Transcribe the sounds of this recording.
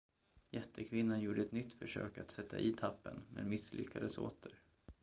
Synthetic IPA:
jɛt̪ʰːəkʰvɪnːanjuːɖəɛt̪nʏt̪ːfœʂøːkat̪sɛt̪ːaʔiːt̪ʰapːənmḛːd̪mɪslʔʏ̰kʰːad̪əso̰ːt̪ʰəɾ

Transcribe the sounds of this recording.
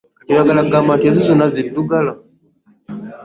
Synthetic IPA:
ijaɡalaɡamatɛzizunaziduɡala

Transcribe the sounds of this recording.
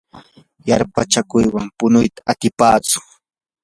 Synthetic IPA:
jaɾpat͡ʃakʊjwampʊnʊjt̪ḁat̪ɪpaːt͡sʊ̥

